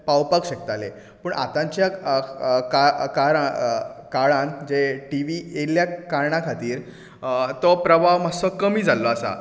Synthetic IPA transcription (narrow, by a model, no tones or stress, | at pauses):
pawpəkɕəkt̪alḛ | pəːɳʔa̰t̪ãɲt͡ɕja | kakaɾãkaɭãnd͡ʑeʈiʋieljakaɾɳakʰat̪iːɾ | t̪ɔpɾəbʱaʋmasɔkəmiːd͡zʱalːɔasa̰